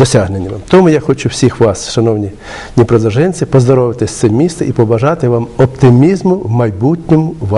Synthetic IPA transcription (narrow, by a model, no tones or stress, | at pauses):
d̪ɔsʲaɦnenʲːɐʋmt̪ɔmujaxɔt͡ʃuwsʲixʋɑsʃɐnɔwnʲi | nʲipɾɔd̪ˠɐʒɪnʲt͡sʲɪpɔzd̪ɔɾɔʋɪt̪ɪsʲt̪sɛmʲist̪ɐipɔbɐʒɑt̪ɪʋɑmɔpt̪ɪmʲizmʊwmɐjbutʲnʲɪmʊʋ